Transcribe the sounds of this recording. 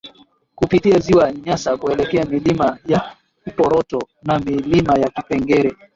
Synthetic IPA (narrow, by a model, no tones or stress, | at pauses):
kupitiaziwaɲasakuɛlɛkɛamilimaja | kipɔɾɔtɔ | namilimajakipɛŋɡɛɾɛ